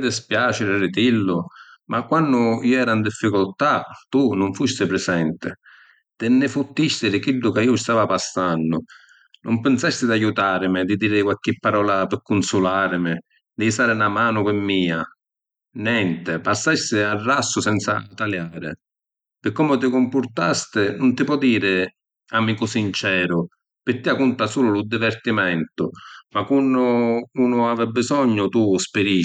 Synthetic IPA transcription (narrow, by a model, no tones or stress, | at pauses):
d̪ɪspjaːt͡ʃɪɾɪrɪt̪ilːʊmʔakːwanːʊiːɛːɾaind̪ifːikʊlt̪at̪unʊɱfust̪ɪpɾɪsɛnt̪ɪ̰ | t̪ɪnːɪfut̪ːist̪ɪɾɪkilːʊkaiːʊst̪aːvapasːanːʊ | nʔʊmpɪnsast̪ɪd̪ajut̪aːɾɪmɪd̪ɪd̪iːɾɪkwalk̟ːɪpːaɾɔːlapɪkːʊnsulaːɾɪmɪ | d̪ɪsaːɾɪnamaːnʊkɪmːiːa | njɛnt̪ɪpasːasːɪarːasːʊsɛnt̪sa̰t̪aljaːɾɪ̰ | pɪkːɔmʊt̪̬ɪkʊmpʊɾt̪ast̪ɪnʊnt̪ɪpwɔd̪iːɾɪ | amikʊsint͡ʃɛːɾʊ | pɪt̪ːiakunt̪asuːlʊlʊd̪ivɛrt̪imɛnt̪ʊmakunːʊuːnʊavɛbːɪzɔɲːʊt̪uspɪɾi